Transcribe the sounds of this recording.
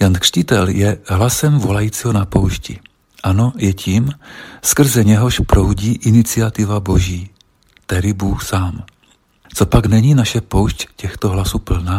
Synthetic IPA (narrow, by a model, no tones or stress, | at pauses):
jankr̥cɪt̪ɛljɛɦlasɛmvolajiːt͡siːɦonapowʃcḭ | ʔanojɛcʰiːmskr̩zɛɲɛɦoʃpɾowɟiːʔɪnɪt͡sɪat̪ɪvaboʒiː | t̪ɛɾɪbuːxsaːm | t͡sopaɡnɛɲiːnaʃɛpowʃccɛxt̪oɦlasuːpl̩naː